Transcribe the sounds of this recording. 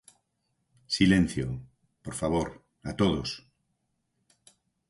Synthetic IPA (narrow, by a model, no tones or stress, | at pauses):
silẽn̟θjo | poɾfaβ̞oɾ | at̪oðos